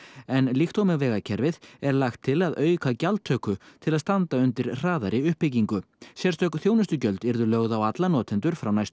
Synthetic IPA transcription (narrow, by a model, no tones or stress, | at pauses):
ɛnlixt̪owmɪɣvɛːɣacʰɛɾvɪðɛɾlaxt̪ʰːɪlaðœːɥkʰacalt̪ʰœːkʏt̪ʰɪlaðst̪ant̪aʏnt̪ɪɾr̥aːðaɾɪʏhpːɪciŋkʏ | sjɛɾ̥t̪œkθjoːwnʏst̪ʏcœlt̪ɪɾðʏlœɣðawat̪lanɔːt̪ʰɛnt̪ʏɾ̥fɾawnajst̪